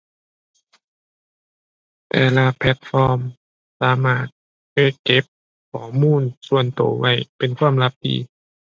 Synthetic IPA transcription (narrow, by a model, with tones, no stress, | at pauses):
tɛ̰ː˧˩laː˧pʰlɛ˦˥t̪̚fɔː˧m | saː˨˦maː˧˥˩t̪̚ | ke˧˩ke˦˥p̚ | kʰɔː˨˦muː˧˥˨nsu˧˩ənt̪o̰˨˩˦wa˥˩jpe˨nkʰwaː˧˥˨mla˧˦˥p̚dḭː˧˦